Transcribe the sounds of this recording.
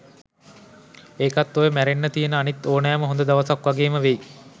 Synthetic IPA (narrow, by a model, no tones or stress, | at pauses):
eːkat̪ːojəmæɾenːət̪ijənəanit̪ːoːnaːməɦond̪əd̪aʋəsakʋaɡeːməʋej